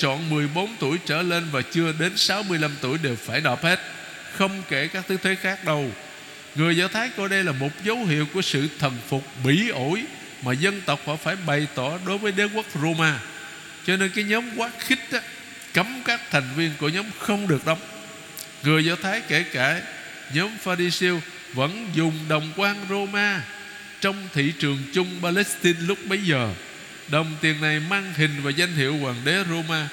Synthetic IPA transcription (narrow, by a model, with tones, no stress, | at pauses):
t͡ɕɔ̰˧˨nmɨ˨˩əjɓo˨˦nt̪u˧˩əjt͡ɕəː˧˩le˧nvaː˨˩t͡ɕɨ˧əɗe˨˦nsa˨˦wmɨ˧əjla˧mt̪u˧˩əjɗe˨˩wfaː˧˩jnɔ˨˩p̚he˦˥t̚ | xə˧wŋ͡mke˧˩kaː˦˥k̚t̪ʰɨ˨˦t̪ʰe˨˦xaː˦˥k̚ɗə˧w | ŋɨ˨˩əjzaː˧wt̪ʰaː˨˦jkɔ˧˩ɗə˧jlaː˨˩mo˨˩t̚zə˨˦whḭ˧˨əwku˧˩əsɨ̰˧˨t̪ʰə˨˩nfʊ˨˩k͡p̚ɓi˧˩˦ʔo˧˩j | maː˨˩zə˧nt̪ə˨˩wk͡p̚hɔ̰˧˩faː˧˩jɓa˨˩jt̪ɔ˧˩ɗo˨˦jvəː˨˦jɗe˦kə˦˥k̚zo˧maː˧ | t͡ɕɔ˧ne˧nkaː˨˦jɲɔː˨˦mkwaː˦˥t̚xï˦˥k̟̚ɗaː˨˦ | kə˨˦mkaː˦˥k̚t̪ʰɛ˨˩jŋ̟vi˧ənku˧˩əɲɔ˨˦mxə˧wŋ͡mɗɨ˨˩ək̚ɗə˨˦wŋ͡m | ŋɨ˨˩əjzɔ˧t̪ʰaː˨˦jke˧˩kaː˧˩ | ɲɔː˨˦mfaː˧ɾi˧si˧əw | və̰˧˥nzʊ˨˩ŋ͡mɗə˨˩wŋ͡mkwaː˧nzo˧maː˧ | t͡ɕɔ˧wŋ͡mt̪ʰḭ˧˨t͡ɕɨ˨˩əŋt͡ɕʊ˧ŋ͡mɓaː˧lɛ˦˥st̪i˧nlʊ˦˥k͡p̚ɓə˨˦jzəː˨˩ | ɗə˨˩wŋ͡mt̪i˨˩ənna˨˩jmaː˧ŋhï˨˩ŋ̟vaː˨˩za˧jŋ̟t̪ḭ˧˨əwkwaː˨˩nɗe˨˦zo˧maː˧